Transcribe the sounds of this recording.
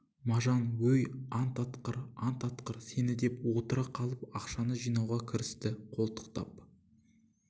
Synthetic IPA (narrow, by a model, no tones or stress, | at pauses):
mɑʒɑnwɵjɑnt̪ʰɑt̪qəɾɑnt̪ʰɑt̪qəɾse̞nɪd̪e̞pwot̪əɾɑqʰɑlˠəpɑqʃɑnəʒijnɑwʁɑkʲʰɪɾɪst̪ɪqʰo̞lˠt̪ə̥qt̪ɑ̰p̚